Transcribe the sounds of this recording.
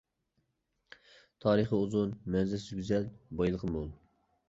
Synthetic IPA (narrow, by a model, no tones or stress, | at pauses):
t̪ʰɑːɾəχəuzunmɛnzɛsyɡʲyzɛlbɑjlˠəqʰəmolˠ